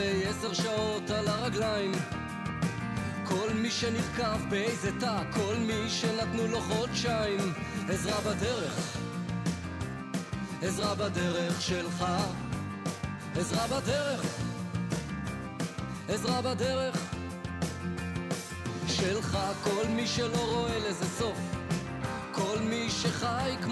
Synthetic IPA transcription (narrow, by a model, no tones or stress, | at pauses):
ejɛseʁʃao̞t̪alaʁaɡlaim | kʰo̞lmiʃeniʁkavbeejzet̪akʰo̞lmiʃenat̪nuloχodʃaim | ezʁabad̪eʁeχ | ezʁabad̪eʁeχʃelχa | ezʁabad̪eʁeχ | ezʁabad̪eʁeχ | ʃelχako̞lmiʃelo̞ʁo̞elezeso̞f | kʰo̞lmiʃeχajk